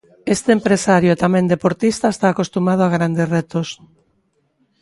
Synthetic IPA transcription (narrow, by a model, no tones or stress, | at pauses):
est̪eempɾesaɾjoet̪amẽnd̪epoɾt̪ist̪aest̪aːkost̪umað̞oaɣ̞ɾand̪eret̪os